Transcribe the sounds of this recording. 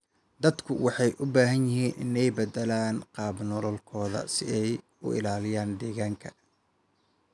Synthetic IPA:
d̪ɐd̪kʰʊwɑħɑjʔʊbaːɦɐnjɪɦiːnʔɪnɛjbɐd̪ɛlaːnqɑːbnɔlɔlkʰɔːðɐ̰sɪ̰ɛj | ʊ̰ɪ̰laːlɪjaːnd̪ɛːɣaːŋkʰɐ

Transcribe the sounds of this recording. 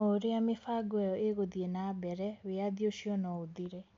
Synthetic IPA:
oɾeamefaɡɛjɔʔeɣodienabɛɾɛweaðioʃiɔnɔodiɾɛ

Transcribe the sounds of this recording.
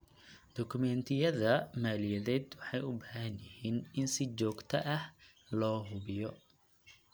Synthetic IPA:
d̪̥ɔkʰʊmɛnt̪ʰɪjɐðɐmaːlɪjɐðɛːd̪wɑħɑjʊbaːɦɐnjɐhiːnɪnsɪt͡ʃɔːɡt̪ʰɐʔɐh | lɔːɦʊβɪjɔ

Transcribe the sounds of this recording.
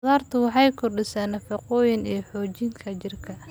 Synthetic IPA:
ðaːrt̪ʰʊwɑħɑjkʰɔrɖɪsaːnːɐfɐqɔːjɪnijħɔːt͡ʃɪŋkʰɐt͡ʃɪrkʰɐ

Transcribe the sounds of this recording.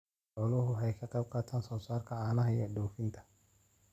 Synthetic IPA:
ħɔːlʊhʊhɛjkʰɐqɑjb̚qaːt̪ʰaːnsɔːsaːrkʰɐaːnɐɦɐijɔɖɔːfɪnt̪ʰɐ̥

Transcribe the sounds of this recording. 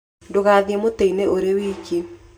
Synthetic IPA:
ndoɣaːðjemoteineʔoɾewiːki

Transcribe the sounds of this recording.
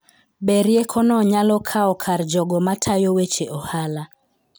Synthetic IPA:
ɓeɾjekʰɔnɔɲalɔkʰaɔkʰaɾd͡ʒɔɡɔmatʰajowet͡ʃeʔɔhala

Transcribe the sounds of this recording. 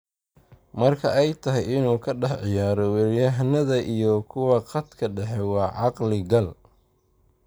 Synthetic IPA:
mɐrkʰɐʔɛjt̪ʰɐɦɛjɪnuːkʰɐɖɑħʕɪjaːɾɔwɛɾɪjɐɦnɐðɐʔijɔkʰʊwɑqɐd̪kʰɐɖɛħɛwɑːʕɑqlɪɡɐl

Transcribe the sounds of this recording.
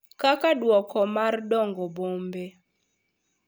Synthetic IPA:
kakadwɔkɔmardɔŋɡɔbombe

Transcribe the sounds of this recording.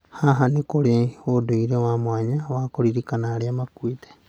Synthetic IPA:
haɦanĩkoɾeoduiɾẽamõaɲãakoɾiɾikanãɾiamãkuit̪e̥

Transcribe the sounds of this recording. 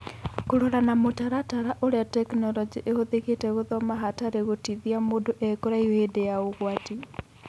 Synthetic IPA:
koɾoɾanamotaɾataɾaʔoɾeatɛknɔlɔd͡ʒiʔehoðeɣetɛɣoðɔmaɦataɾeɣotiðiamodoʔɛkoɾaiwedejaoɣwati

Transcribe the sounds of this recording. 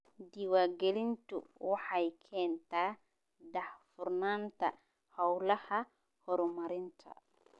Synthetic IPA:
diwaɡelintṵwaħajkʰɛːntaː | dahfuɾnanta̰ | hawlɐha | hɔɾɔmaɾintʰa̰

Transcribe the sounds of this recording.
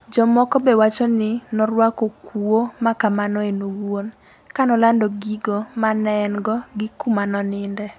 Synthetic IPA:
d͡ʒɔmɔkɔbɛwat͡ʃɔnɪnɔɾwakokuomakamanɔenowon | kanɔlandoɡiɡomanɛnɡɔɡɪkumanɔnɪndɛ

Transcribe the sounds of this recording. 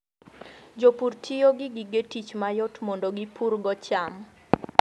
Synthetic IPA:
d͡ʒopurtʰijoɡɪɡiɡetit͡ʃmajɔtmondoɡipʰuɾɡɔt͡ʃam

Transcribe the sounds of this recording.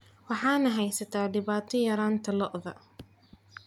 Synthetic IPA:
wɑħaːnɐɦɐjsɐt̪aɖɪβaːt̪ʰɪjɐɾaːnt̪ʰɐlɔʔðɑ̰

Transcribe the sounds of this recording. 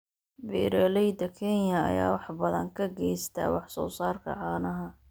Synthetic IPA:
bɛːɾɛlɛjd̪ɐkʰɛnjɐɐ̰ja̰ːwɑħbɐðɐŋkʰɐɡɛjst̪ʰa̰wɑħsɔ̰ːsaːrkʰɐ̰ʕɑːnɐɦɐ

